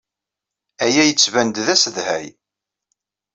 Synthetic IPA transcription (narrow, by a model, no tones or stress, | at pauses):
æjæjət͡sːvænd̪ðæsəðhæj